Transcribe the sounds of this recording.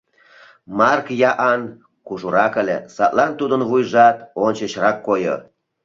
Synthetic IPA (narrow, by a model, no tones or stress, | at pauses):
mɑrkjɑʔɑn | kuʒuɾɑkə̆lʲḛsɑt̪lɑnt̪ud̪ə̆nβujʒɑt̪onʲt͡ɕəɕrɑkːojo̰